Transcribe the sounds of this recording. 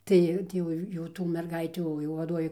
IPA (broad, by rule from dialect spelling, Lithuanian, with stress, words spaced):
ˈtɐɪ ˈtʲiː jɛʊ jɛʊ ˈtuː mʲɛrˈɡɐɪtʲuː jɛʊ ʋɐˈduɔʋʲeː